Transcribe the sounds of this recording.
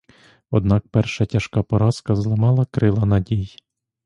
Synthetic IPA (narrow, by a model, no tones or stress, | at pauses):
ɔd̪nɑk̚pɛrʃɐtʲɐʃkɑpɔɾɑskɐzlˠɔmɑlˠɐkɾɪlˠɐnɐdʲij